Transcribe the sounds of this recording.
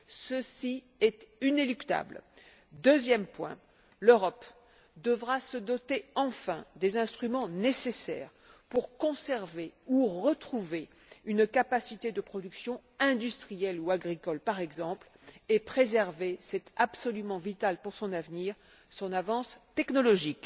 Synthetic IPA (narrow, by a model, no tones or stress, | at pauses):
səsi | ɛt̪inelykt̪a̰bl | d̪øzjɛmpwɛ̰̃ | løʁɔp | d̪əvʁasəd̪ɔt̪eɑ̃fɛ̰̃d̪ezɛ̃st̪χymɑ̃nesesɛ̰ːʁ | puʁkɔ̃sɛʁveuʁət̪χuve | ynkapasit̪ed̪əpχɔd̪yksjɔ̃ | ɛ̃d̪yst̪χijɛluaɡʁikɔlpaʁɛɡzɑ̃pl | epχezɛʁvesɛt̪absɔlymɑ̃vit̪alpuʁsɔ̃navniʁ | sɔ̃navɑ̃st̪ɛknɔlɔʒik